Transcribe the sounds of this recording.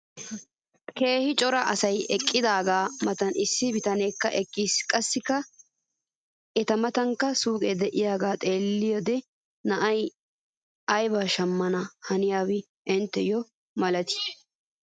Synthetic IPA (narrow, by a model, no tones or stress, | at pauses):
ke̞ːhɪt͡ʃʼɔɾɐʔɐsɐjɛkʼːɪd̪aːɡaːmɐt̪ɐnɪsːɪbɪt̪ɐneːkːɐʔɛkʼːiːskʼɐsːɪkːɐ | ɛt̪ɐmɐt̪ɐŋkːɐsuːkʼɛd̪ɛʔɪjaːɡaːt̪ʼe̞ːlːɪjɔd̪ɛ | nɐʔɐj | ʔɐjbaːʃɐmːɐnɐhɐnɪjaːwɪ | ʔɪnt̪ːɛjɔ | mɐlɐt̪ɪ̥